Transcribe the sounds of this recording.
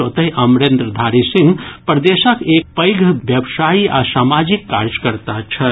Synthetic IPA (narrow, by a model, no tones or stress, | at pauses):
ot̪əɦiʔɐmɾend̪ɾəd̪ʱaɾisĩŋɡpɾəd̪esəkeːk̚pəjɡʱʋjəbsaːia̰saːmad͡ʒikːaɾjəkəɾt̪at͡ʃʰə